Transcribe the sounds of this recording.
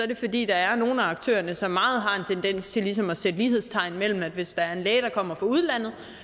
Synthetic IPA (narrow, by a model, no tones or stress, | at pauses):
ɒ̽ɐɾ̥e̝fɒ̽d̥ḭːd̥ɑ̈æɐno̝ːn̩æɑ̈ɡ̥̚t͡sʰø̰ːɐnəsɒ̽mːɑ̈ːð̞̩ˠɦɑ̈e̝nt͡sʰend̥en̰st͡sʰe̝lis̬ɒ̽mɒ̽sed̥əliːhe̝ðˠst͡sʰɑ̈ɪ̰nmel̰m̩æd̥ʋe̝sd̥ɑ̈æɐe̝nlɛːɪdɾ̥ɑ̈kʰɒ̽m̰ɐfʁɑ̈uð̞ˠlæn̰ð̩ˠ